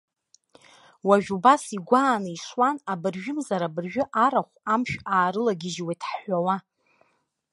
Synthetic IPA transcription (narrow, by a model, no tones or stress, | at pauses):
waʒᶣubasiɡʷaːnɨiʂwanabɨrʒᶣʊmzaɾabɨrʒᶣʊʔaɾaχʷamʃᶣaːɾɨlaɡʲɪʒwetʰħħʷawa